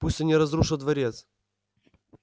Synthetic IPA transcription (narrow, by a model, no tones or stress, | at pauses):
pusʲtʲɐnʲɛɾɐzɾuʂəlˠd̪vɐɾʲet̪s